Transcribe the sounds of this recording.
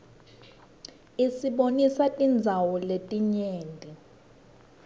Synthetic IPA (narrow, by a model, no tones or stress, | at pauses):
isiɓonisatʼind͡zʱawɔletʼiɲɛːndʱɛ